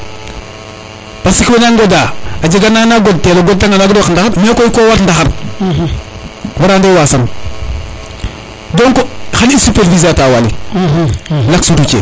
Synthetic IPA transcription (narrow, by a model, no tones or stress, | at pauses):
pasikwenaŋɡodaːad͡ʒiɡanaːnaɡod̚teloɡɔl̚taŋanaɡdwakndaxaɾmekoikowatndaxaɾ | baɾandewaːsan | doŋkoxalisupeɾvizataːwalḭ | laksudut͡ʃḛ